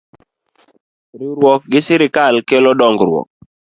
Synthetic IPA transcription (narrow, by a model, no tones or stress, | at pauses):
ɾɪɾwɔk̚ɡɪsɪɾɪkalkɛlɔdɔŋɡɾwɔ̰k̚